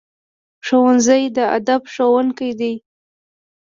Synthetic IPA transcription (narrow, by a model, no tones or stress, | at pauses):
ʂowanzajd̪əa̰d̪abʂowaŋkajd̪e